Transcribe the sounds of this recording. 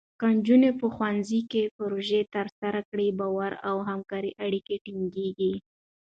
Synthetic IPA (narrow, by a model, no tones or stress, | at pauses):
kand͡ʒunepəxwanzikepəɾoʒet̪əɾsaɾakɽibɑwaɾawɦamkɑɾiʔaɽikeʈiŋɡeɡi